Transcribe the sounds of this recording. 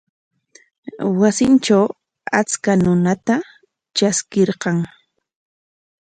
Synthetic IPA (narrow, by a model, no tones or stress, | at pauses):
wasɪnt͡ʃaw | a̰t͡skanʊnat̪a | t͡ʃaskeɾqɑŋ